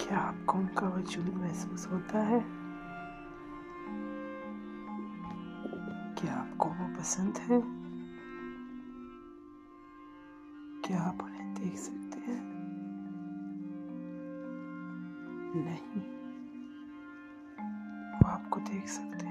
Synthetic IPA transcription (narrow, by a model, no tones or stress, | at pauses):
kjaaːp̚koʊnkaʋɐt͡ʃulimɛɦsuːsɦoːt̪aɦɛː | kiaːpkoʋopɐsə̃nd̪ɦɛ | kjaaːpʊnẽd̪eːkʰsɐkt̪eɦɛ̃ː | nɐɦĩ | ʋoaːpkod̪eːkʰsɐ̥kt̪e